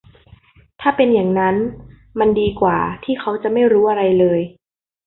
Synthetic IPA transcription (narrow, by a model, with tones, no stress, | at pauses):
t̪ʰaː˥˩pe˧njaː˨˩ŋna˦˥n | ma˧ndiː˧kwa̰ː˨˩t̪ʰiː˥˩kʰa˦˥wt͡ɕa˨˩ma˥˩jɾuː˦˥ʔa˧ɾa˧jlɤː˧j